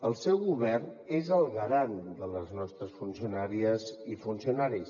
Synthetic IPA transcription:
əlˠsɛwɣuβɛrnezəlˠɣɾand̪ələznɔst̪ɾəsfunsiunaɾiəzifunsiunaɾis

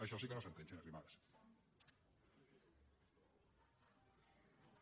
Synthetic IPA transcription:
aʃɔsikenosent̪ent͡ʃenerimaðes

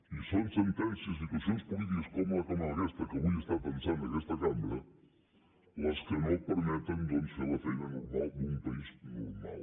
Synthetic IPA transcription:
isonsent̪ensesit̪wasjonespolit̪̬ikoskomoɐkamaɾaðest̪ɐkeβujest̪aɾpensand̪enest̪ɐkamaɾɐ | laskenopeɾmet̪eŋd̪onselaθenanoɾmalumpaisnoɾma̰l

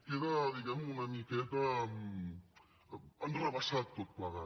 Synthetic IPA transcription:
keɾadiɡamunamiket̪am | andɾaβasat̚t̪ot̪̚plaɣa

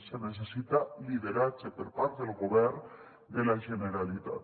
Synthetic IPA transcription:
senes̬esit̪aliðeɾat͡sepeɾpaɾt̪elɣoβeɾ | d̪elaʒe̞neɾalit̪a̰t̪

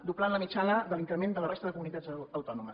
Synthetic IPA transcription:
d̪uplanləmit͡ʃanəðəliŋkɾəmend̪ələrest̪əðəkumunit̪ad͡zəwt̪ɔnuməs

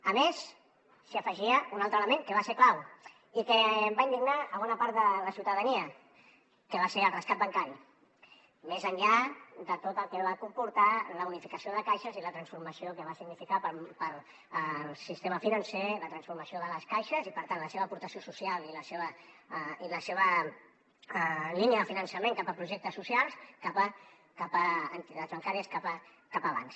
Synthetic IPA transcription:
əmesː | iəfəʒiəunalˠt̪ɾələmẽŋkəβaseɾklaw | ikəːmbaind̪iɡnaəβɔnapaɾt̪ðələsiwt̪əðəniə | kəβaseɾəlˠrəskat̪̚bəŋkaɾi | mezəɲʎad̪ət̪ot̪əlˠkɛβakumpuɾt̪aləunifikəsioðəkajʃəzilət̪ɾənsfuɾməsiokəβasiɡnifikapəpəɾ | lˠsist̪eməfinənseðət̪ɾənsfuɾməsioðələskajʃəzipəɾt̪anləseβəːpuɾt̪əsiosusialiləseβə | iləseβə | liniəðəfinənsəmẽŋkapəpɾuʒek̚t̪əsːusialˠskapə | kapəːnt̪it̪azβəŋkaɾiəskapə | kapəβ̞a̰ns

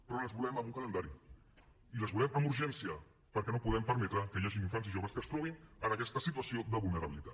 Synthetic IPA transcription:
pɾɔləzβulɛməmuŋkələnd̪aɾi | iləzβulɛməmuɾʒɛnsiə | pəɾkɛnopuðɛmpəɾmɛt̪ɾəkəjaʒiniɱfanziʒoβəskəst̪ɾɔβinənəkɛst̪əsit̪uəsiod̪əβulˠnəɾəβilit̪a̰t̪

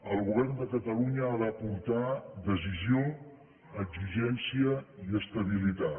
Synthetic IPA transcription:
əlˠɣuβɛrnd̪əkət̪əluɲəːβapuɾt̪ad̪əzizio | əɡziʒɛnsiəiəst̪əβilit̪a

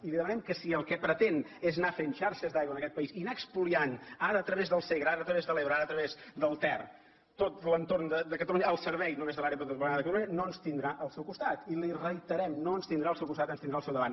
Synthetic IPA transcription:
iliðəmənɛmkəsiəlˠkɛpɾət̪eneznafenʃaɾʃəzðajɣwənəkɛt̪̚pəisinakspulianaɾəːt̪ɾəβezðəlˠseɣɾəaɾət̪ɾəβezðəleβɾəaɾəːt̪ɾəβezd̪əlˠt̪ɛr | t̪ot̪lənt̪ornd̪əd̪əkət̪əluɲəəlˠsəɾβɛjnumezðəlaɾeəpɾət̪əmpuɾajðəkət̪əluɲənoənst̪ind̪ɾaʔəlˠsɛwkust̪at̪ilirəit̪əɾɛmnoənst̪ind̪ɾaəlˠsɛwkust̪at̪ənst̪inɾaəlsɛwðəβan

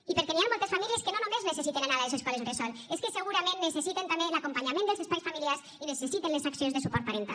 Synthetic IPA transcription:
ipeɾkeniamɔlˠt̪esfamilieskenonomeznesesit̪enanaðaðeseskɔlesresɔleskeseɣuɾamẽnːesesit̪ent̪ambelakompaɲamẽnd̪elˠzespajsfamiliaɾs | inesesit̪enlesaksionzðesupɔɾt̪̚paɾent̪a̰

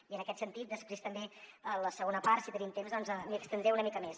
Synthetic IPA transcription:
iənəkɛt̪sənt̪it̪̚d̪əspɾest̪əmbeələsəɣonəpaɾsit̪ənimt̪emzd̪ɔnzəmiəkst̪ənd̪ɾɛunəmikəmes

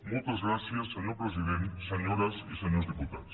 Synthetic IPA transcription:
mult̪azɣɾasjasːeɲoɾpɾes̬iðent̪seɲoɾasiseɲoɾzðiput̪aðos

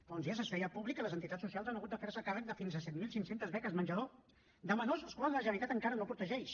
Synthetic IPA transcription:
fonzias̬əsɛiəpuβlikələzənt̪it̪att͡ssusialˠzanəɣut̪̚d̪əfeɾsəkarək̚d̪əfinzəsɛt̪̚milˠsiŋsent̪əzβɛkəzmənʲʒəðo | d̪əmənozskwazələʒənəɾit̪at̪əŋkaɾənopɾut̪əʒɛʃ

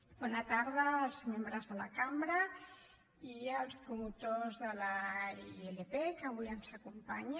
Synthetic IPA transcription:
bɔnat̪aɾðəːlˠzmembɾəzðəlakambɾə | iəlˠspɾumut̪ozðəlaielepekəβuiənzakumpaɲ

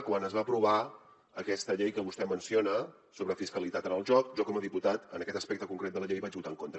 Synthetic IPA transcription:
kwanəzβapɾuβa | əkɛst̪əʎejkəβust̪ɛmənsionə | soβɾəfiskəlit̪at̪ənəlˠʒɔk̚ʒɔkɔməðiput̪at̪ə̰nəkɛt̪əspɛk̚t̪əkuŋkɾet̪̚d̪ələʎejβat͡ʃbut̪aəŋkont̪ɾə

